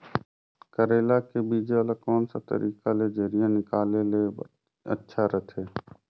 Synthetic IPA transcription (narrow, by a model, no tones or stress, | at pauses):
kəɾeːlakebiːd͡ʒeləkɔːnsat̪ə̰ɾʔiːkaled͡ʒəɾijãnɪkaːlele | ə̰tːʃʰaɾət̪ʰeː